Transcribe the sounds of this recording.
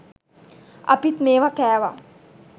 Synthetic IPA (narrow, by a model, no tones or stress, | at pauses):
ɐ̰pit̪meːʋakæːʋa̰